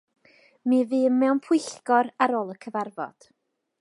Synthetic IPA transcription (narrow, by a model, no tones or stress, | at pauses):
mɨːvɨːnmɛwnpʰʊjɬɡɔɾaɾoːlˠəkʰəvarvɔ̰d̥